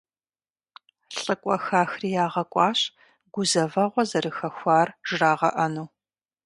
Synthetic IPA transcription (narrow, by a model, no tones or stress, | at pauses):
ɬʼɨkʷʼɔxaːxriːjaːʁɐkʷʼɑːɕ | ɡʷʊzɐvɐʁʷɔzɐrɨxɐxʷaːrʒ̥raːʁɐ̰ʔɐnuː